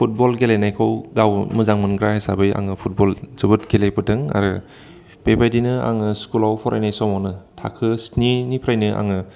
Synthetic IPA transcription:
pʰut̚bɔlɡelajnajkʰɔwɡawmɯzaŋmɯnɡɾahasabɯja̰ŋɯpʰut̚bɔlz̥ɯbɯt̚ɡelajpɯtɯŋa̰ɾɯ | b̥ebajdinɯa̰ŋɯskulawpʰɔɾʔa̰jnajsɔmawnɯtʰa̰kʰɯsninipʰɾajnɯʔa̰ŋɯ

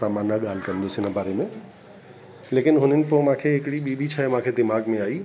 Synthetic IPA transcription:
aːmaːnaɠaːl̤kɐ̃nd̪osɪnəbaːɾemẽ | leːkɪnɦʊnənɪ̆pomãːkʰeɦɪkɪɽiɓʱibʱit͡ɕʰamãːkʰed̪ɪmaːɡmẽaːiː

